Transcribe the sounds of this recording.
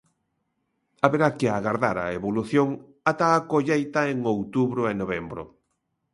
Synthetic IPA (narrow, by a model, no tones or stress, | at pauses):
aβeɾakɪaɣaɾðaɾa̰eβoluθjoŋ | at̪aːkoʎejt̪aeŋowt̪uβɾʊenoβembɾʊ̰